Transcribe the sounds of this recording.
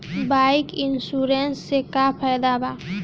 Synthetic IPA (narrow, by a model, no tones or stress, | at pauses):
baɪkɪnsuɾensːekapʰajd̪aba